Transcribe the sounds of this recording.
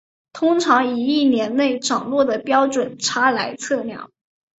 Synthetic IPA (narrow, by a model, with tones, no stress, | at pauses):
t̪ʰʊ˥ŋʈ͡ʂʰɑ˧˥ŋi˧˨˩i˥˩njɛ˧˥nne˥˩ɪʈ͡ʂɑ˨˩ŋlwɔ˥˩d̪ə˩pjɑ˥ʊʈ͡ʂwə˨˩˦nʈ͡ʂʰa˥la˧˥ɪt͡sʰɤ˥˧ljɑ̰˥˩ŋ